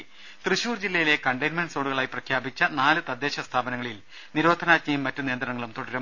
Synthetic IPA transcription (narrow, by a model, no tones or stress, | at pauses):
t̪rɨɕuːrd͡ʑilːɐjile̞kɐɳɖɐjnmɐnɖsoːɽuɣɐɭaːjiprɐkʰjaːbit͡ɕːɐnaːlɨt̪ɐd̪ʱːe̞ːɕɐst̪ʰaːbɐnɐŋːɐɭil | niɾo̞ːd̪ʱɐnaːt̚ɲɐjumːɐtːuneːnd̪rɐnɐŋːɐɭumt̪oɽɐɾum